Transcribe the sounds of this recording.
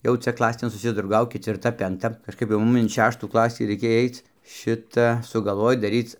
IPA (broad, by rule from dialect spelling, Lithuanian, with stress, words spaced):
ˈjɛʊ ˈt͡sʲɛ ˈklˠɑːsʲeːn sʊsʲɪˈdrɐʊɡɐʊkʲɪt ɪr ˈtɐ pʲɛŋˈktɐ kɐʃˈkɐɪp jɛʊ ˈmʊm ɪn ˈʃʲæːʃtuː ˈklˠɑːsʲiː ˈrɐ ɪkʲeːj ˈɐɪt͡s ˈʃʲɪtɐ sʊɡɐlˠˈʋoːj dɐˈrʲiːt͡s